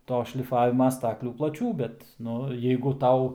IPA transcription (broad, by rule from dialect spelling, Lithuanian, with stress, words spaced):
ˈtoː ʃʲlʲɪˈfɑːʋʲɪmɐ ˈstɑːklʲuː plˠɐˈt͡ʃʲuː ˈbʲɛt ˈnʊ jɛɪɡʊ ˈtɐʊ